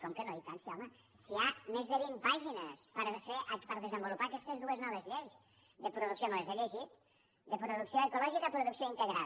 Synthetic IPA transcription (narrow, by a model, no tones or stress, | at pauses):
kɔmkənojk̪ansiɔmə | siamezðəβimpaʒinəspəɾfeʔpəɾðəzəmbulupaəkɛst̪əzðuəznɔβəzʎejs | d̪əpɾuðuksijomoezeʎeʒit̪ | d̪əpɾuðuksioəkulɔʒikəpɾuðuksioint̪əɣɾa